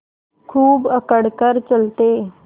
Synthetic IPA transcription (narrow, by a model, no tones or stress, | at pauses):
kʰuːbəkəɽkəɾt͡səlt̪e